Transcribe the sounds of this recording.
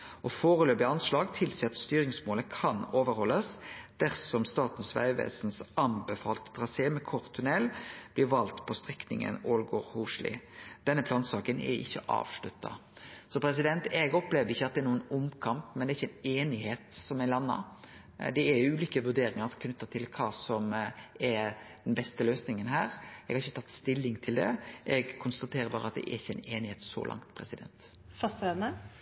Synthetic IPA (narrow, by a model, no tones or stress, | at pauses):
ʔɔfoːʁəløːbɪɑnslɑːɡt̪ʰɪlsiːɑt̪st̪yːɾɪŋsmoːləkʰɑnoːʋəɾhɔlːəsd̪̥æɾsɔmst̪ɑːt̪n̩sʋæ̰ɪʋḛːsnsɑnbɛfɑːlt̪əd̪̥ʁɑseːmɛkʰɔʁt̪ʰʉnɛlb̥lɪɾʋɑlt̪pʰɔst̪ʁɛknɪ̰ŋə̰noːlɡoːɾhuːʂlɪ̰d̪̥ɛnːəpʰlɑːnsɑːkənɛ̰ɪ̰çːəʔɑ̰ːʋʂlʉt̪ʰːɑ̰sɔpʰɾɛs̬ɪd̪ɛnt̪ɛɡɔpleːʋəɾɪçːəɑt̪̚d̪ɛɾnuːənʊmkʰɑmpmɛnd̪ɛɾɪçːəɛɪneːnɪheːt̪sɔmɛlɑnːɑ̰ | d̪ɛæɾjʊʉːlikəʋʉɾɖ̪eːɾɪŋɑɾkʰnʉt̪ːət̪ʰɪlkʰɑːsɔmɛɾd̪̥ɛnbɛst̪əløːsnɪŋənɦæːɾɛɡhɑɾɪçːət̪ʰɑt̪ːst̪ɪlːɪŋt̪ʰɪld̪ɛ̰ʔɛɡkʰʊnst̪ɑt̪ʰeːɾəbɑːɾəɑt̪̚d̪ɛ̰ʔɛ̰ɾɪçːəæɪneːnɪheːt̪sɔ̰lʔɑ̰ŋt̪pʰɾɛ̰sɪd̪ɛ̰nt̪ | fɑst̪ɛnə